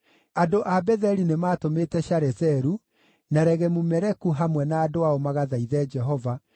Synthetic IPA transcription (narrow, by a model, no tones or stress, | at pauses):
adoʔabɛðɛɾinemaːtometɛʃaɾɛsɛɾu | naɾɛɣɛmumɛɾɛkuɦamwɛnaːdoaomaɣaðaiðɛd͡ʒɛɦɔva